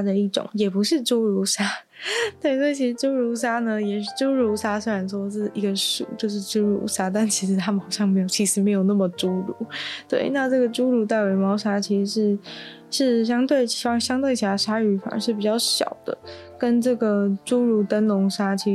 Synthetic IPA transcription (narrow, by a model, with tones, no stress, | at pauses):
d̪ə˨i˥˩ʈ͡ʂʊ̰˨˩˦ŋjɛ˨˩pu˧˥ʂɻ̩˥˧ʈ͡ʂu˥ʊɻu˧˥ʂa˥ | t̪we˥˩ɪswt͡ɕʰi˧˥ʂɻ̩˧˥ʈ͡ʂu˥ʊɻu˧˥ʂ̬a˥nə˨jɛ˨˩ʂɻ̩˥˩ʈ͡ʂu˥ɻu˧˥ʂa˥swe˥ɪɻa˧˥nʂwɔ˥ʂɻ̩˥˩˨i˧˥ɡə˧ʂṵ˥˩t͡ɕjo˥˧ʊʂ̬ɻ̩˥˩ʈ͡ʂu˥ɻṵ˧˥ʂa˥t̪̬a˥˩nt͡ɕʰi˧˥ʂɻ̩˧˥t̪ʰa˥mə˨xɑ˨˩ʊɕjɑ˥˩ŋme˧˥ɪjo˨˩ʊt͡ɕʰi˧˥ʂɻ̩˧˥me˧˥ɪjo˨˩ʊna˥˩mə˩ʈ͡ʂu˥ɻṵ˧˥˦t̪we˥˩ɪna˥˧ʈ͡ʂɤ˥˩ɡə˩ʈ͡ʂu˥ɻu˧˥˩t̪̬a˥˩ɪwe˧˥ɪmɑ˥ʊʂa˥t͡ɕʰi˧˥ʂɻ̩˧˥ʂɻ̩˥ | ʂɻ̩˥˩ɕjɑ˥ŋt̪we˥˩ɪt͡ɕʰi˧˥fɑ˥ŋɕjɑ˥ŋt̪we˥˩ɪɕja˧˥ʂa˥y˧˥fa̰˨˩nə̰˧˥ʂɻ̩˥˩p̬i˨˩t͡ɕjɑ˥˩ʊɕjɑ̰˨˩ʊd̪ə̰˦ | kə˥nʈ͡ʂɤ˥˩ɡə˩ʈ͡ʂu˥ɻu˧˥t̪ə˥nlʊ˧˥ŋʂa˥t͡ɕʰi˧˥